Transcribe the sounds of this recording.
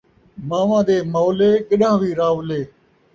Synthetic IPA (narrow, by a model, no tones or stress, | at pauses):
maːʋãːd̪eːmoːleːkɪɗãːʋiːɾaːʋleː